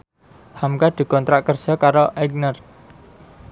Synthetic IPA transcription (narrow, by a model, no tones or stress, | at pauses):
hamkad̪̥i̤kɔnt̪ɾaʔkərsɔkaɾoʔɛɡ̚nər